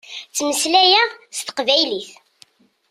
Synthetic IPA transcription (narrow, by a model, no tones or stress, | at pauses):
t͡sːməslæjæst̪ə̥qvæjliθ